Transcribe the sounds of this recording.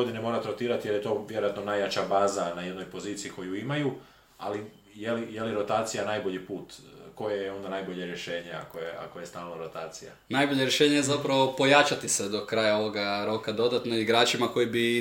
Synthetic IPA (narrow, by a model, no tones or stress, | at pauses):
od̪inemoɾat̪ɾo̞t̪iːɾat̪ije̞ɾjet̪o̞ːʋjeɾojat̪no̞najaːt͡ʃabaːzanajed̪no̞jpo̞ziːt̪sijikʰo̞juimaju | a̰li | jelijelieɾo̞t̪aːt̪sijanaːjbo̞ʎipuːt̪ko̞jejeo̞nd̪anajboʎeɾjeʃe̞ːɲea̰kojeʔa̰kojest̪aːlˠnoɾot̪aːt̪sija̰najbo̞ʎe̞ɾjeʃe̞ːɲejezapɾaʋo̞po̞jat͡ʃat̪ised̪o̞kɾaːjao̞ʋo̞ɡaɾo̞kad̪o̞d̪at̪noiɡɾaːt͡ʃimako̞jibi